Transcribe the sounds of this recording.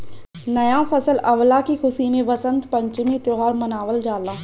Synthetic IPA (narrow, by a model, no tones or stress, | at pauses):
nɐjãːfʰəsəlɐʋlakikʰʊsimẽʋɐsə̃nd̪pə̃ɲt͡ʃɪmĩt̪oɦaːɾmɐnaːʋəld͡ʒaːlaː